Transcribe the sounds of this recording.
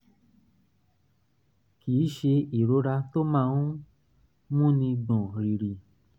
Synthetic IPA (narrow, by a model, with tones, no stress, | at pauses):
kiː˨˦ʃe˧i˨ɾo˨˦ɾa˧to˦mãː˦˧˦n˦ | mũ˦nĩ˧dɔ̃˨ɾi˨ɾi˨